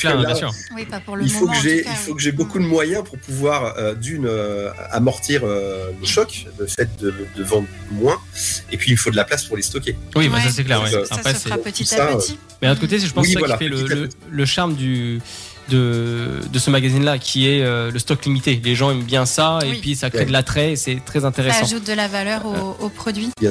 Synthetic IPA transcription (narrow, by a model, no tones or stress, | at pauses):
lɛnajsyːʁ | ilfokəʒeilfokəʒɛbokud̪əmwajɛ̃puʁpuvwaʁød̪ynø̰a̰mɔʁt̪iʁøləʃɔkləfɛt̪̚d̪əd̪əvɑ̃d̪ʁmwɛ̃epɥiːlfod̪əlaplaspuʁlest̪ɔkʲewiwɛ̃s̬as̬ɛklɛʁwɛapχɛsɛɔ̃t̪usa | mɛd̪ənt̪kot̪esʒəpɑ̃wsisvwalafɛlə | ləʃaʁmd̪y | d̪əd̪əsəmaɡazinlakʲʰiɛøləst̪ɔklimit̪eleʒɑ̃ɛmbjɛ̃saeɥisakχed̪əlat̪χɛesɛt̪χɛzɛ̃t̪eʁesɑ̃ʒut̪̚d̪əlavalœʁoopχɔd̪ɥijɛ̃